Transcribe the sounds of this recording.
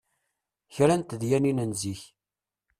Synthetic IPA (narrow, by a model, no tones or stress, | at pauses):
çɾænt̪ðjæninənziç